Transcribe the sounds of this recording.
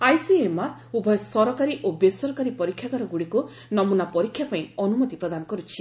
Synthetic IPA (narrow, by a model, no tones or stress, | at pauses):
ajsiemaɾubʱɔjɔsɔɾɔkaɾiʔobesɔɾkaɾipɔɾikʰjaɡaɾɔɡuɽiku | nɔmunapɔɾikʰːjapaĩɔnumɔt̪ipɾɔd̪anɔkɔɾut͡ʃʰi̥